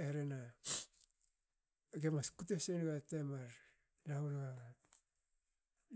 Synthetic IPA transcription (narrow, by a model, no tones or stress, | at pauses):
eɾena | ɡemaskutesenɡatemaɾ | laulɡa